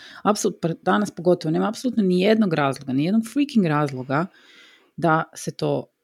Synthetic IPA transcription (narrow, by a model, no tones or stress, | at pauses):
apsolˠut̪npd̪anaspo̞ɡo̞t̪oʋone̞ːmaːpsoluːt̪nonijed̪noɡɾaːzlˠoɡanijed̪noɡfɾikiŋɡɾaːzlˠoɡa | d̪aset̪oː